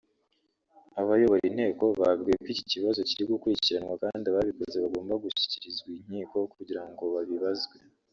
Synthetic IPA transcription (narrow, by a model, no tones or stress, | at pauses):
aβajo̞βoɾinhe̞ːko̞βabɡekwiːciciβazo̞ciɾiɡukuɾicciɾanwakaːndiaβaβikozeβaɡo̞ːmbaɡuʃi̥ciɾizɡwiɲ̥iːko̞kuɟiɾaŋɡo̞βaβiβazɡwe̞